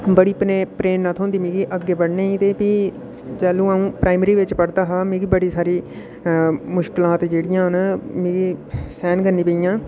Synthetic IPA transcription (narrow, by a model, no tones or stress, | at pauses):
bəɽiːpneːpɾeːnːət̪ʰɦõːnd̪iːmĩːɡiːʔəɡːeːbəɽneːĩːt̪eːpiː | d͡ʒɛːlũːaːũːpɾaːɪməɾiːʋɪt͡ʃpəɽd̪aːɦaːmẽːɡiːbəɽiːsaːɾiː | mʊʃkɪlaːt̪d͡ʒeːɽijãːɦnmĩːɡiːsɛːnkəɾniːpəijãː